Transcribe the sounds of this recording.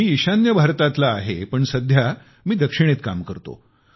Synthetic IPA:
iːiɕanjəbʱaɾt̪at̪laːɦepəɳsəd̪ʱja | miːd̪əkʂiɽ̃et̪kamkəɾt̪o̰

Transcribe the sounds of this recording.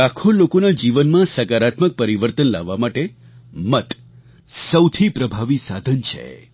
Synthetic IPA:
akʰolokonad͡ʒiʋənmãsəkaɾat̪mək̚pəɾiʋəɾt̪ənla̰ʋːamaʈe | mət̪ | səwt̪ʰipɾəbʱaʋisad̪ʱənt͡ʃʰḛ

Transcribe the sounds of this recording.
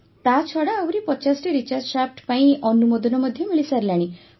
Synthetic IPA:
t̪at͡ʃʰɔɽaːwɾipɔt͡ʃasʈiɾit͡ʃaɾd͡ʒʃap̚ʰʈpaĩɔnumod̪ɔnɔmɔd̪ʱːjemiɭisaɾilaɽ̃i

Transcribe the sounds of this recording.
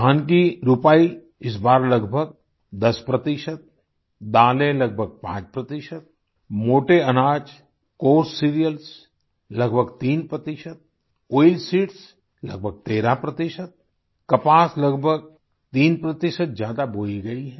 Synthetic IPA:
aːnk̬iɾʊpaːi | ɪs̬baːɾlɐɡbʱəɡ̚ | d̪ɐspɾɐt̪ɪʃət̪̚ | d̪aːlẽlɐɡ̚bʱəɡ̚pã̰ːt͡ʃpɾɐt̪ɪʃət̪̚ | moːʈeɐnaːd͡ʒ | koːɾsːiːɾijəls | lɐɡbʱəɡt̪iːnpɾət̪ɪʃət̪̚ | oːɪlsiːʈs | lɐ̰ɡ̚bʱəɡ̚t̪eːɾapɾɐt̪ɪʃət̪̚ | kɐpaːslɐɡbʱəɡ̚ | t̪iːnpɾət̪ɪʃət̪̚zjaːd̪aboːiɡɐiɦɛ̃ː

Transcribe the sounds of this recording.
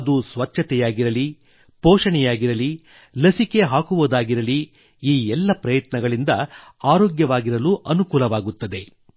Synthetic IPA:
d̪usʋɐt͡ʃːɐt̪ɛjaːɡiɾɐli | pɔːʂɐɳɛjaːɡiɾɐli | lɐsike̞ɦaːkuʋod̪aːɡiɾɐli | iːɛlːɐpɾɐjɐt̪nɐɡɐɭind̪ɐaːɾoːɡjɐʋaːɡiɾɐluʔɐnukuːlɐʋaːɡut̪ːɐd̪e̞

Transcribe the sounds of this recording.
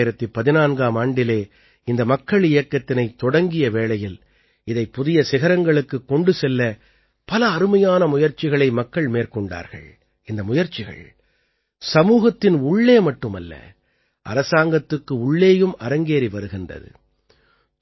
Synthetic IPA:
jɪɾɐt̪ːɯpɐðɪnaːnɡaːmaːɳɖɪleː | ɪnd̪ɐmɐkːɐɭɪjɐkːɐt̪ːɪnɐɪt̪ːɔɽɐŋɡɪjɐʋeːɭɐjɪl | ɪðɐɪpːʊðɪjɐsɪɣɐɾɐŋɡɐɭɯkːɯkːɔɳɖɯsɛlːɐ | pɐlɐːɾɯmɐjaːnɐmʊjɐɾt͡ʃːɪɣɐɭɐɪmɐkːɐɭmeːɾkɔɳɖa̰ːɾɣɐ̰ɭ | ɪnd̪ɐmʊjɐɾt͡ʃɪɣɐ̰ɭ | sɐmuːɣɐt̪ːɪnʊɭːeːmɐʈːɯmɐlːɐ̰ | ʔɐ̰ɾɐsaːŋɡɐt̪ːɯkːɯʊɭːeːjɯmɐɾɐŋɡeːɾiʋɐɾɯɣɪndrɐ̰ðɯ̰

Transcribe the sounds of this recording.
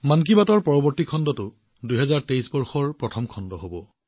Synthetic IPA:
mank̬ibatɔɹpɔɹɔbɔɹtikʰɔndɔtʊ | duɦɛzaɹtejsbɔɹxɔɹpɹɔtʰɔmkʰɔndɔɦobɔ

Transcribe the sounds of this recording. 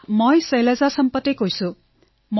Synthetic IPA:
mʌjsʌjlad͡zasʌmpʌt̪ːekojsu | m

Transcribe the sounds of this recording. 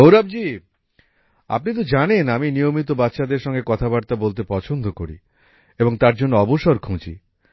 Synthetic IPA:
owɾab̚d͡ʑi | a̰pnit̪̬od͡ʑanenaminijomit̪obat̪ːʃad̪eɾʃɔŋɡekɔt̪ʰabaɾt̪abolt̪epɔt͡ɕʰond̪ʱokoɾḭ | eboŋt̪aɾd͡ʑonːoɔboʃoɾkʰũt͡ɕḭ

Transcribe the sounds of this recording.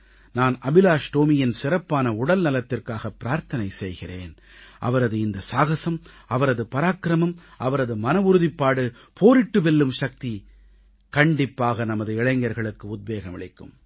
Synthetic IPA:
naːnɐbɪlaːʂʈ̪oːmɪjɪnsɪɾɐpːaːnɐʊɽɐlnɐlɐt̪ːɪrkaːɣɐpːɪɾaːɾt̪ɐnɐɪsɛjɣɪreːn | ʔɐ̰ʋɐɾɐðɯɪnd̪ɐsaːɣɐsɐm | ɐʋɐɾɐðɯpɐɾaːkɾɐmɐmʔɐʋɐɾɐðɯmɐnɐʋʊɾɯðɪpːaːɽɯ | pʰoːɾɪʈːɯʋɛlːɯmʂɐk̚t̪i | kɐɳɖɪpːaːɣɐnɐmɐðɯɪɻɐŋɡɐɾɣɐɭɯkːɯʊd̪̚beːɣɐmɪ̰ɭɐɪkːɯ̰m

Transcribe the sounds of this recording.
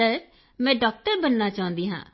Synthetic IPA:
əɾ | mɛ̃ːɖɔːk̚ʈəɾbənːaːt͡ʃaːʊ̃nd̪iːɦã̰ː

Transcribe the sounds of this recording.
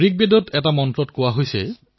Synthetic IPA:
ɹik̚bedɔtʰɛtamɔntɹɔtkowaɦojsɛ̰

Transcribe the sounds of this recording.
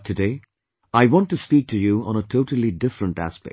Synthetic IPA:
tʰɨdeɪ | aɪwɑ̃ntɨspiːk̚tʰɨjuə̰̃nətʰoʊtəl̩ˠidɪfɾə̃ntæ̰spɛ̰k

